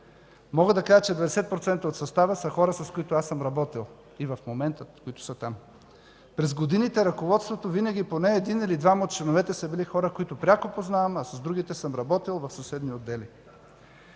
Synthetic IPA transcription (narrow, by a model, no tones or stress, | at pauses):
mɔɡəd̪ɐkaʒət͡ʃɛd̪vɐd̪ɛsɛt̪̚pɾot̪sɛnt̪əot̪sɐst̪avəsɐxɔɾəsɐskoit̪oasəmɾɐbɔt̪ilˠ | ivɐfmomɛnt̪əkoit̪ʊ̥sɐt̪am | pɾɛzɡod̪init̪ɛɾɐkovɔt̪st̪vot̪ovinəɡʲiponɛːd̪inilid̪vaməot̪̚t͡ʃlɛnovɛt̪ɛsɐbilixɔɾəkoit̪ʊpɾʲakopoznavɐmɐsɐzd̪ɾuɡ̟it̪ɛsəmɾɐbɔt̪ilˠvɐfsɐsɛd̪niod̪ːɛli